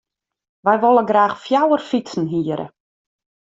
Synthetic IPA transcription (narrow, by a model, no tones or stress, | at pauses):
ʋɛjʋolˠəɡraːxfjawərfit͡sn̩ɦiəɾʔə̰